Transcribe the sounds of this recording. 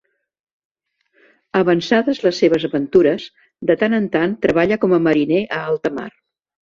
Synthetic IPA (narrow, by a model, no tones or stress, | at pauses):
əβənsaðəzləsːeβ̞əzəβənt̪uɾəs | d̪ət̪anənt̪ant̪ɾəβ̞aʎəkɔməməɾineʔəalˠt̪əma̰r